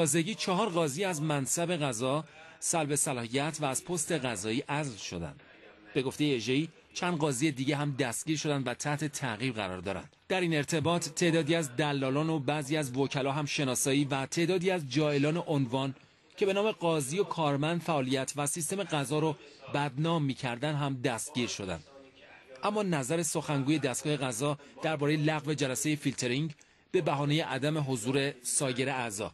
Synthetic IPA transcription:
ɒːze̞ɟiːt͡ʃʰɒɦɒːɾɣɒːziæzmænsæbe̞ɣæzɒsælbe̞sælɒːhijæt̪ʰvæːz̥pʰo̞st̪e̞ɣæzɒːiːʔæzlʃo̞̰d̪æ̰nd̪̥ | be̞ɡo̞ft̪e̞jeeʒeiː | t͡ʃʰænd̪ɡɒːzije̞d̪iːɟeɦæmd̪æst̪̚ɟ̥ʲiːɾʃo̞d̪ænd̪væt̪ʰæht̪ʰe̞t̪ʰæɣiːɾɣæ̰ɾɒ̰ːɾd̪ɒ̰ːɾæ̰nd̪̥d̪æɾiːne̞ɾt̪ʰe̞bɒːt̪ʰːe̞ʔd̪ɒːd̪iːæzd̪ælːɒːlɒːnobæziːæzvocʰælɒːɦæmʃe̞nɒːsɒːiːvæt̪ʰe̞ʔd̪ɒːd̪iːæzd͡ʒɒːe̞lɒːne̞ʔonvɒːn | cʰe̞be̞nɒːme̞ɢɒːzijokʰɒːɾmænd̪fæʔɒːlijæt̪ʰvæsist̪e̞me̞ɡæzɒːɾobæd̪nɒːmːiːcʰæɾd̪ænɦæmd̪æst̪̚ɡ̥ɟiːɾʃo̞d̪æ̰nd̪̥ | ʔæmːɒːnæzæɾe̞so̞xæŋɡuːje̞d̪æst̪ɡɒːhe̞ɣæzɒːd̪̥æɾbɒːɾejelæɣve̞d͡ʒælæse̞je̞filt̪ʰe̞ɾiŋɟ | b̥e̞bæɦɒːne̞je̞ʔæd̪æme̞ɦo̞zuːɾe̞sɒːje̞ɾeæzɒ̰ː

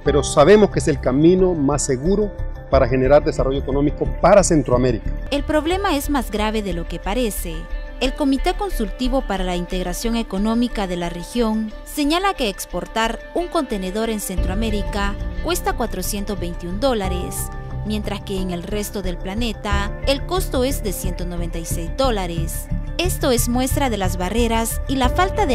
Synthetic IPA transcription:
pe̞ɾo̞saβe̞moskees̬elkamĩno̞masːeɣuɾo̞paɾaxe̞ne̞ɾaɾd̪esaro̞ʝoekonõ̞miko̞paɾase̞nt̪ɾoameɾikḁe̞lpɾo̞βle̞mae̞zmazɡɾaβe̞ðe̞lo̞ke̞paɾe̞se̞ːlko̞mit̪e̞ko̞nsult̪iβo̞paɾalaint̪e̞ɣɾasjo̞ŋe̞ko̞no̞mikaðe̞lare̞xjo̞ŋse̞ɲalake̞ːkspo̞ɾt̪aɾuŋko̞nt̪e̞ne̞ðo̞ɾe̞nse̞nt̪ɾoame̞ɾikakwe̞st̪akwat̪ɾo̞sje̞nt̪o̞zβe̞jnt̪iund̪o̞laɾe̞smje̞nt̪ɾaske̞ːŋe̞lre̞st̪o̞ðe̞lplane̞t̪aelko̞st̪o̞e̞zðe̞sje̞nt̪o̞noβe̞nt̪ajsejzd̪o̞laɾese̞st̪o̞e̞zmwe̞st̪ɾaðe̞lazβare̞ɾasilafalt̪aðe

